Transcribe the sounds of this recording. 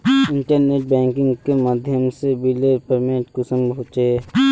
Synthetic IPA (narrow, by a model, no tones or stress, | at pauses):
ɪ̃ɳʈəɾneːʈ̚bɛ̃ːŋkɪ̃ŋɡkemaːd̪ʱjəmsebilepəɾmẽːʈkəsəmbʱɦoːt͡ʃeː